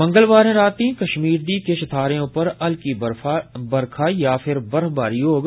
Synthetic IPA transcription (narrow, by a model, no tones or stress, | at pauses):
bɐ̃ŋɡəlʋaːɾẽɾaːt̪ĩːkɐʃmiːɾd̪iːkeʃɐt̪ʰaːɾejõpɐɾɐlkiabɐɾkʰajaːpʰɪɾbɐɾɦbaːɾjoːɡ